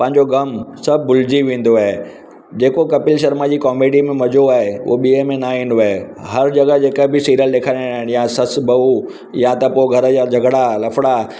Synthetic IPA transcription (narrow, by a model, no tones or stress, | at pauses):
pɐ̃ɦɪ̃ɲ̆d͡ʑoɡɐmsɐbʱːʊlɪd͡ʑiʋẽːn̆d̪oaːɦe | d͡ʑeːkokɐpɪlʃɐɾmad͡ʑiːkɔːmeːɖimẽmɐd͡ʑoaːɦeo̰ɓiəmẽnaɦĩːn̆oaːɦe | ɦɐɾd͡ʑɐɡəd͡ʑeːkəbɪsiːɾəlɗeːkʰanaːɪñjasɐsbʱɐʋu | jat̪ɐpoɪɡʱɐɾə̆jad͡ʑʱɐɡɽalɐfʰɽa